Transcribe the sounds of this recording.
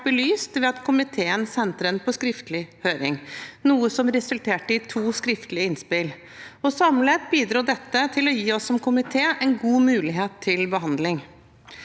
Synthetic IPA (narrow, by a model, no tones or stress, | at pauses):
bəlyːst̪ʋɛɑt̪kʰʊmɪt̪ʰeːənsɛnt̪ɾənpʰɔskɾɪft̪lɪhøːɾɪ̰ŋnuːəsɔmɾɛsʉlt̪ʰeːʈəɪt̪ʰuːskɾɪft̪əlɪəɪnspɪl | ɔsɑmleːt̪biːd̪ɾuːɖɛt̪ːət̪ʰɪlɔjiːɔsːɔmkʰʊmɪt̪ʰeːɛɪnɡuːmʉːlɪɦeːt̪ʰːɪlbəɦɑnd̪lɪŋ